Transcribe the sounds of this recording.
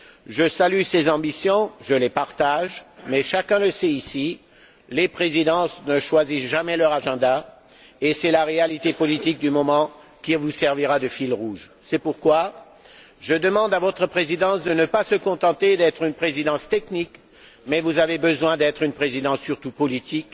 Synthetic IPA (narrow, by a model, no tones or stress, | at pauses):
ʒəsalysezɑ̃bisjɔ̃ʒəlepaʁt̪aʒmɛʃakɛ̃ləsɛisi | lepχezid̪ɑ̃snəʃwazisʒamɛlœʁaʒɑ̃d̪a | esɛlaʁealit̪epɔlit̪ik̚d̪ymɔmɑ̃ | kʲivusɛʁviʁad̪əfilʁuʒ | sɛpuʁkwa | ʒəd̪əmɑ̃d̪avɔt̪χəpχezid̪ɑ̃sd̪ənəpasəkɔ̃t̪ɑ̃t̪ed̪ɛt̪χynpχezid̪ɑ̃st̪ɛknik | mɛvuzavebəzwɛ̃d̪ɛt̪χynpχezid̪ɑ̃sːyʁt̪upɔlit̪ik